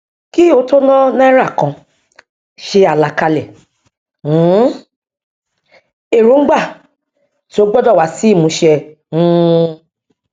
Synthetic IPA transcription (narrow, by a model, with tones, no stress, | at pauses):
ki˦o˨˦to˦nã˦nã˦ɛ˦ɾa˦˨kã˧ | ʃe˧a˨la˨˦ka˧lɛ˨˦ | e˨ɾũ˨˦ɡ͡ba˦˨ | ti˨˦o˦ɡ͡bɔ˦dɔ˦˨wa˨˦si˦i˦˨mũ˨˦ʃɛ̃˧˦˧